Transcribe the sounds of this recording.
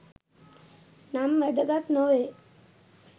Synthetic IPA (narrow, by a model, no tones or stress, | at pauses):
namːəd̪əɡat̪noʋe